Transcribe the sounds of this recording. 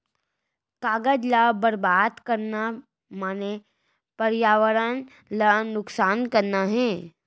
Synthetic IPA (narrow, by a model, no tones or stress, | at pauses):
kaːɡəd͡ʒlabəɾbaːd̪kɐɾna | maːne | pəɾjaːʋəɾən | lanʊksaːnkɐɾnaɦɛ̃ː